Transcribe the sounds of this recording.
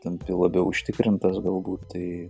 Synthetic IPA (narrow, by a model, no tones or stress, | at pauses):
t̪ʲɛnpʲɪlˠɐbʲɛʊʊʃʲt̪ʲɪkɾʲɪnt̪ɐsɡɐlˠbuːt̪t̪ɐɪ